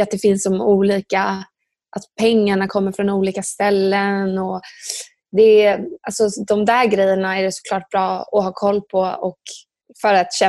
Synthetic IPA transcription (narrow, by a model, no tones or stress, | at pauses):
at̪̚d̪ɛfɪnsɔmuːliːka | ʔat̪pʰɛŋːaɳakʰɔmːəɾfɾɔnuːliːkast̪ɛlːənɔ | d̪ɛalsɔd̪ɔmd̪æːɾɡɾɛjːəɳaæɖɛsɔ̥kʰlɑːʈ̚b̥ɾɑːɔɦɑːkʰɔlːpʰɔɔk | fœɾat̪ɕɛ